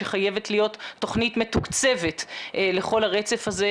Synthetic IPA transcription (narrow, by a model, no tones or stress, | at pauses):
eχaje̞vetlijo̞t̪ːo̞χnitme̞tukt͡se̞ve̞tʔle̞χo̞laʁet͡se̞faze